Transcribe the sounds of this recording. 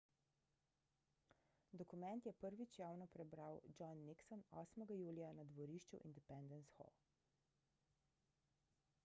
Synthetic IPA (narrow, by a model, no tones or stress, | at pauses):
d̪ɔkumɛnt̪jɛpəɾʋit͡ʃjaːwnɔpɾɛbɾawd͡ʒɔnːiksɔnɔ̰ːsmɛɡajuːlijanad̪ʋɔɾiːʃt͡ʃṵʔḭnd̪ɛpɛnd̪ɛnsxɔ̰